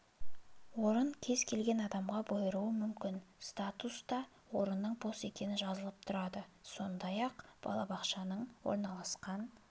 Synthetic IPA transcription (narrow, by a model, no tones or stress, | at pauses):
wo̞ɾəɴkʲʰe̞zkʲʰe̞lɡʲe̞nɑd̪ɑmʁɑbojɾuwəmʏmkʲɪnst̪at̪ust̪ɑ | wo̞ɾənːəɴbo̞se̞kʲe̞nɪnʒɑzəlˠəp̚t̪ʰʊɾɑd̪əso̞nd̪ɑjɑqb̥ɑ̰lˠɑbɑqʃɑnəɴwo̰ɾnɑlˠɑsqɑn